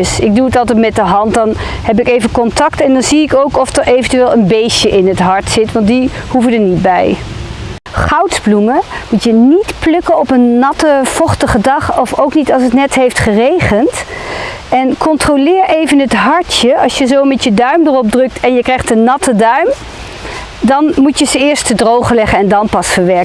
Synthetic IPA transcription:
sɪɡ̚duətɑlˠtɛtmɛt̚dəɦɑntdɑnhɛp̬ɪkejvənkɔntɑktɛndɑnziɪkowkɔfdəɹejvəntyʋeːlˠənbejʃəʔɪnɦətɦɑɹtsɪtʋɑntdihuvədəɹnit̚bɛj | χɑwtzbluməmutjənitplɵkənɔpənːɑtəv̥ɔχtəχədɑχɔfowknitɑlˠsətnɛtɦejftχərejχənt | ɛnkɔntrowlɪːɹʔejvənɦətɦɑɹtəɑ̰lˠsjəzowmɛtjədœɥmdərɔb̚drɵk̚tʰɛnjəkrɛjχtənːɑtədœɥm | dɑnmutjəzəɪːɹstədrowχəlɛχənɛndɑnpɑsfəɹʋɛɹkə

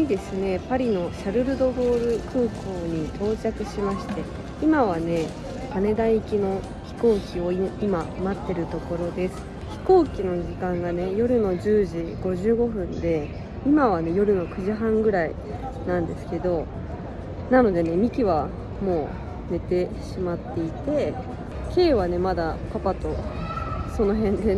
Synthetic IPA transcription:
id̪e̞sɨne̞paɾʲino̞ɕaɾɯ̟ɾɯ̟d̪o̞bo̞ːɾɯ̟kʰɯ̟ːkʰo̞ːɲ̟it̪ʰo̞ːt͡ɕakɯ̟ɕimaɕi̥t̪e̞ | imaβane̞ | kane̞d̪aikʲino̞ | çi̥ko̞ːkʲio̞iimamat̪ːe̞ɾɯ̟t̪o̞ko̞ɾo̞d̪e̞sɨ̥ | çi̥ko̞ːkʲino̞ʑikãŋɡane̞jo̞ɾɯ̟no̞ʑɨːʑiɡ̥o̞ʑɨːɡo̞ɸɯ̟̃nd̪e̞ | imaβ̞ane̞jo̞ɾɯ̟no̞kɯ̟ʑiɦãŋɡɯ̟ɾai | nãnd̪e̞sɨ̥ke̞d̪o̞ | nano̞d̪e̞ne̞mʲikʲiβ̞a | mo̞ː | ne̞t̪e̞ɕimat̪ːe̞it̪e̞ | ke̞ːβ̞ane̞mad̪apapat̪o̞ | so̞no̞ɦẽ̞nd̪e̞

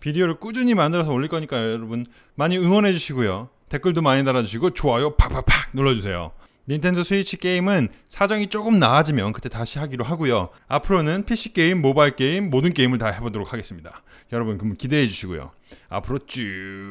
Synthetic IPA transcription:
pideoɾɯɭk͈ud͡ʑuɲimandɯɾʌs̬ʰʌoɭʎːiɭk͈ʌɲik͈ajojʌɾʌbun | maɲiɯŋwʌnɦe̞d͡ʑuɕʰiɡojo | te̞k͈ɯɭdomaɲidaɾad͡ʑuɕ̬ʰiɡot͡ɕoajopʰapʰapʰak̚nuɭːʌd͡ʑusʰe̞jo̰ | nintʰe̞ndʌsʰuit͡ɕʰik͈e̞imɯnsʰad͡ʑʌŋit͡ɕ͈oɡɯmnaːd͡ʑimjʌnkɯ̥t͈ʰe̞taɕʰiɦaɡiɾoɦaɡojo | apʰɯɾonɯnpʰiɕ͈ʰi̥k͈e̞imːobaiɭk͈e̞imːodɯnk͈e̞imɯɭtahe̞bodoɾok̚ʰaɡe̞s͈ɯmɲida̰ | jʌɾʌbɯnkɯmɯkide̞ːd͡ʑuɕʰiɡo̰jo̰ | a̰pʰɯɾot͡ɕ͈u

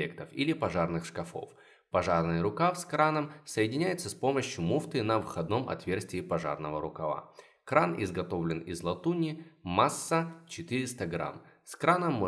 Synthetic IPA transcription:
ekt̪əfilʲɪpɐʐarnɨxʂkɐfo̞̰f | pɐʐarnɨjəɾʊkafskɾanəmsəɪdʲɪnʲæjɪt̪səspo̞məɕjʊmuft̪ɨnəvɨxɐd̪̚no̞mʔɐ̰t̪vʲe̞rsʲtʲɪːpɐʐa̰rnəvəɾʊkɐva̰ | kɾanɪzɡɐt̪o̞vlʲɪnɪzlˠɐt̪unʲɪːasːət͡ɕɪt̪ɨɾʲɪst̪əɡɾa̰mskɾanəmːo

